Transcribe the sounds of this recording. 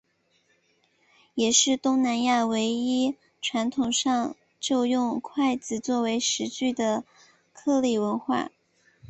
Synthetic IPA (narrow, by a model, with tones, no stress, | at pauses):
jɛ˨˩ʂɻ̩˥˩t̪ʊ˥ŋna˧˥nja˥˩we˧˥ɪi˥ | ʈ͡ʂʰwa˧˥nt̪ʰʊ˨˩ŋʂɑ˥˧ŋ | ʈ͡ʂo˥˧ʊjʊ˥˧ŋkʰwa˥˩ɪt͡sɹ̩˨˩t͡swɔ˥˩we˧˥ɪʂɻ̩˧˥t͡ɕy˥˩d̪ə˩ | kʰɤ˥˧li˥˩wə˧˥nxwa̰˥˩